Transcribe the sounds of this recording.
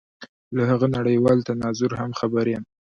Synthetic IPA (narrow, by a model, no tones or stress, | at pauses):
lahaɣənaɽəjwɑlt̪anɑzʊɾhamxabaɾjam